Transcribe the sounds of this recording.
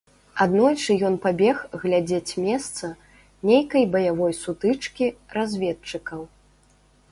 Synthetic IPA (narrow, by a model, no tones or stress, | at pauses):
ad̪nɔjʲʂɨjɔnpabʲɛxɣlʲad͡zʲet͡sʲmʲɛst̪sɐ | nʲejkɐjbɐjavɔjsut̪ɨt͡ʂkʲirazʲvʲɛt̪̚t͡ʂɨkɐw